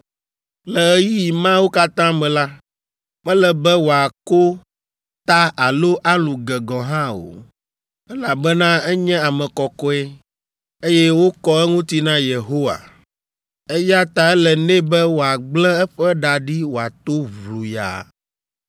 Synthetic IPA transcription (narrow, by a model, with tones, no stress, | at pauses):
lɛ˨ɛ˦ji˦ji˨mã˦wo˦ka˦t̪ã˦mɛ̃˨la˦ | ɸɛ˦lɛ˨bɛ˦wo˨a˨ko˦ | t̪a˦ʔa˨lo˦ʔa˦lũ˨ɡɛ˨ɡɔ̃˨ɦã˦o̰˨ | ɛ˦la˨bɛ˦nã˦ɛ˦ɲɛ̃˦a˨mɛ̃˨kɔ˨kɔ˦ɛ˦ | e˦jɛ˦wo˦kɔ˦ɛ˦ŋũ˦t̪i˦nã˦je˨ɦo˦wa̰˨ | ɛ˦ja˦t̪a˨ɛ˦lɛ˨nɛ̃˦bɛ˦wo˨a˨ɡ͡blɛ̃˦ɛ˦ɸɛ˦ɖa˨ɖi˦wo˨a˨t̪o˦vlu˨ja̰˨